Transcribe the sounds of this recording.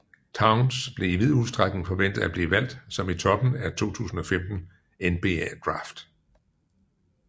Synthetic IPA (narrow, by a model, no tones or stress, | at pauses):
t͡sʰäʊnsb̥le̝iʋið̞̰ˠuðˠsd̥ʁaɡ̥neŋ̩fɒ̽ʋen̰d̥ð̩ˠæb̥liːʋæl̰d̥sɒ̽mit͡sʰɒ̽b̥n̩æt͡sʰo̝̰ːt͡sʰṵːsn̩ɒ̽femd̥n̩ | enb̥e̝ːæd̥ʁɑ̰̈ːfd̥